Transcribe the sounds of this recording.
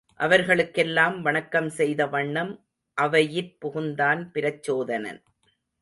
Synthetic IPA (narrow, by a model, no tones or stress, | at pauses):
ʔɐʋɐɾɣɐɭɯkːɛlːaːmʋɐɳɐkːɐmsɛjðɐʋɐɳːɐm | ʔɐʋɐjɪrpʊɣɯnd̪aːnpɪɾɐt͡ʃːoːðɐnɐ̰n